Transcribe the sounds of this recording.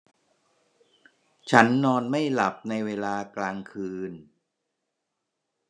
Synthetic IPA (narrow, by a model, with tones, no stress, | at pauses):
t͡ɕʰa˦˥nːɔː˧nma˥˩jla˨˩p̚na˧jweː˧laː˧klaː˧ŋkʰɯː˧n